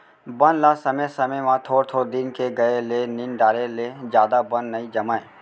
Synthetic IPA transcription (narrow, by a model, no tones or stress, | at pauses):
bənlasəmesəməjmãt̪ʰoːɾt̪ʰoːɾd̪ɪnkeɡəeleninɖaːɾeled͡ʒjaːd̪abənːəĩd͡ʒɐmaːe